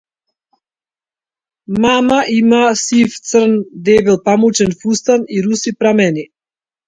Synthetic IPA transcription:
mamaʔimasift̪sər̩nd̪ɛvilˠpamut͡ʃɛnfust̪aniɾusipɾamɛni

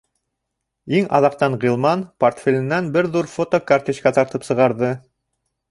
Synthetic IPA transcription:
iŋɑ̰ðɑq̚t̪ɑɴʁilˠmɑnport̪fʲelʲɘ̆nːænbɘɾðuɾfot̪okɐrt̪iʃkæt̪ɑɾt̪ɤpsɤ̆ʁɑɾðɤ

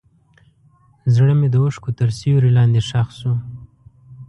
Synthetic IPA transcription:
zɽəmed̪əʊʂkot̪əɾsiwɾilɑnd̪eʂaxsu

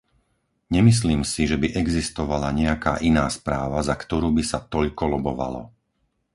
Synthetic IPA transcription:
ɲɛmis̬liːmsiʒɛbiʔɛɡzist̪ɔʋalaɲɛaka̰ːʔinaːspɾaːʋazakt̪ɔɾuːbisat̪ɔʎkɔlɔbɔʋa̰lɔ̰

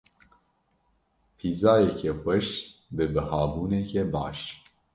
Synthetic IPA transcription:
pʰiːzɑːjɛkʰɛxʷɛʃbɨbɨhɑːbuːnɛkʰɛbɑ̰ːʃ

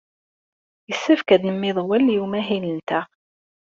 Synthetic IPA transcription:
jəsːæfkæd̪nəmːɪðˤwæljumæɦilənt̪æ

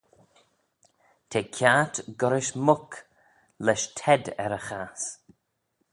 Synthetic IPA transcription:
t̪ʰeːkʰjat̪ɡɔɾɪʃmʊk | lɛʃtʰɛdɛ̰ɾəxaːs

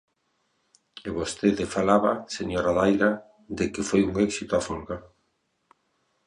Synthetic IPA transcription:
eβost̪eðɪfalaβaseɲoɾaðajɾa | d̪ɪkɪfojuŋɛksit̪oafolɣa

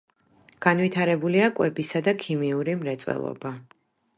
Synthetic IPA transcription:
ɡ̥anvit̪ʰaɾɛbuliakʼwɛbisad̪akʰimiuɾimɾɛt̪sʼwɛ̰lˠɔ̰ba

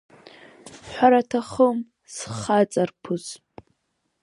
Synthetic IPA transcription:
ħʷaɾatʰaχəm | sχat͡sʼarpʰɨz

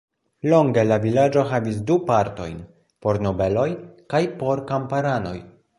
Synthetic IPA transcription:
lo̞ŋɡe̞lavilad͡ʒo̞ɦavis̬dupaɾto̞̰jn | po̞ɾno̞be̞lo̞jkajpo̞ɾkampaɾano̞̰j

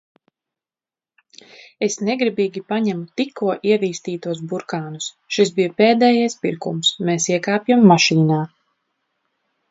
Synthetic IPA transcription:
esnɛɡɾibiːɡʲipaɲɛmut̪ikʰːuɔʔiɛviːst̪iːt̪uɔsbuɾkaːnus | ʃisbijɐpeːd̪ɛːjajspiɾkṵmsmeːsiɛkaːpjamːaʃiːnaː

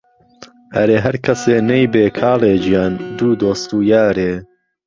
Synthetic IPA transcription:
ɐɾeːɦɐɾkʰɐseːnejbeːkʰaːleːd͡ʒijaːnd̪uːd̪oːst̪uːjaːɾeː

